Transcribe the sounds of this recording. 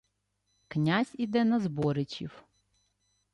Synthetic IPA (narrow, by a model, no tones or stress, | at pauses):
knʲazʲid̪ɛnɐzbɔɾɪt͡ʃʲḭw